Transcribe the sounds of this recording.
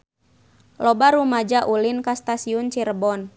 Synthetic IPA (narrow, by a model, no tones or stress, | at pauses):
lɔbaɾumad͡ʒaʔulinkast̪asiunt͡ʃirbɔn